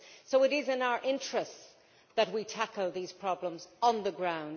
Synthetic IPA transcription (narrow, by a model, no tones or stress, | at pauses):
soʊɪɾɪzɪ̃naʊə˞ʔɪ̃nt͡ʃɹ̥ɨst | ðət̚witʰakəlˠðiz̥pʰɹ̥ɑblə̃mz̃n̩ðəɡɹãʊ̃n